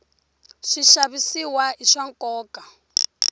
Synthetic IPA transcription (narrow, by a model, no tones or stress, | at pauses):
ʂiʃaβisiwaiʂaŋkʼɔːkʼa